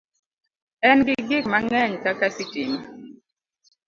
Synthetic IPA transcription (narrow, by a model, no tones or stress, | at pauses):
ɛnɡiɡik̚maŋɛɲkakasitimi